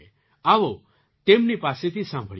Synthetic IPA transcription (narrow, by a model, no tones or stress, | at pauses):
aʋo | t̪emnipaset̪ʰisãmbʱəɭ